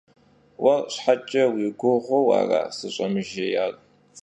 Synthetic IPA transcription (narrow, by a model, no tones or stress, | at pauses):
wɐrɕħat͡ʃʼɐwiɡʷʊʁʷɔwa̰ːra̰ːsɨɕʼɐmɨʒejaːl